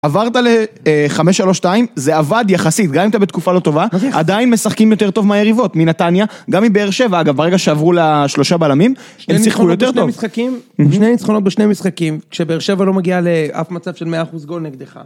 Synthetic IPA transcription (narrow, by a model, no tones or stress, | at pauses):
avaʁt̪ale | χameʃaloʃtaimze̞avad̪jaχasit̪̚ɡamimat̪abet̪kufalot̪o̞vaad̪ainme̞saχkimjo̞t̪e̞ʁt̪o̞vmeajeʁivo̞t̪minat̪anjaɡamimbe̞eʁʃe̞vaaɡavbeeɡaʃeavʁulaʃlo̞ʃabalamimesiχkujot̪et̪ovisχakimʃnejnit͡sχono̞t̪̚beʃnejmisχakimkʃebeːʁʃe̞valo̞maɡialeʔa̰fmat͡savʃelmeaːχusɡo̞lneɡd̪eχa̰